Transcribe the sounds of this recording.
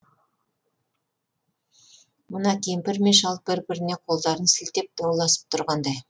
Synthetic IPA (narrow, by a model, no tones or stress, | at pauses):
mʊnɑkʲʰejɪmpɪɾme̞ʃɑl̚ˠbɪɾbɪɾɪne̞qʰo̞lˠd̪ɑɾənsɪlt̪e̞p̚d̪ɑwlˠɑsə̥p̚t̪ʰʊɾʁɑnd̪ɑj